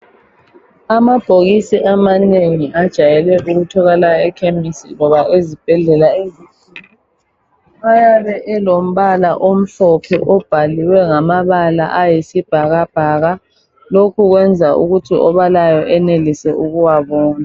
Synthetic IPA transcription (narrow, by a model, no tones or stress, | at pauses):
amab̥ʱoɣisiʔamaneŋiʔad̥ʒ̥ʱajɛlɛʔuɣutʰɔɣɛlajɛkʰemisḭŋɔβaʔezib̥ʱɛɮɛlaeziti | ajaβɛʔɛlom̩βalaʔom̩ɬɔpʰɛ̰ʔɔb̥ʱaliwɛŋamaβala̰ʔajisib̥ʱaɣab̥ʱaɣa | lokʰuɣwɛnd͡zʱaʔṵɣutʰiɔβalajɔʔɛnelisɛʔuɣuwaβɔːna